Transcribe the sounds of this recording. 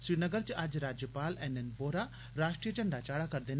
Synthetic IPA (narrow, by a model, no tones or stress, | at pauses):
sɾiɾnəɡəɾt͡ʃəʔad͡ʒɾaːd͡ʒjəpaːlɛnɛnʋoːɾa | ɾaːsʈɾijət͡ʃɐɳɖat͡ʃaːɽakɐɾd̪en